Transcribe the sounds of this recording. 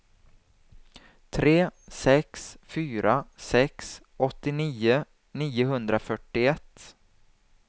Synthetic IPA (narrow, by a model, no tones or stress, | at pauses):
t̪ʰɾeːsɛksfyːɾasɛks | ɔt̪ːɪniːʊ | niːʊɦɵnd̪ɾafœʈːɪɛt̪ː